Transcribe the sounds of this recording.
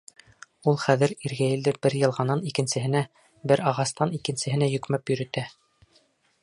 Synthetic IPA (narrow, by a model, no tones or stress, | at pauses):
ulˠχæðɘ̆ɾiɾɡæjɘ̆ld̪ɘbɘɾjɤ̆lˠʁɑnɑnikɘ̆nsɘ̆ɦɘ̆næ | bɘɾɑʁɑst̪ɑnikɘ̆nsɘ̆ɦɘ̆næjɵ̆kmæpjɵ̆ɾɘ̆t̪æ